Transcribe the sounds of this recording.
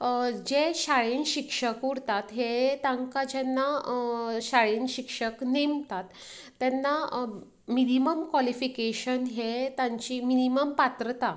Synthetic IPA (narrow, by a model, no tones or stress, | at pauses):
d͡ʑeɕaɭinɕikʂəkuɽt̪at̪ɦet̪ãŋkad͡ʑɛnːa | ɕaɭinɕikʂəknemt̪at̪ː | ɛnːa | miniməmkʋalifikeɕənɦet̪ãɲt͡ɕiːminiməmpat̪ɾət̪a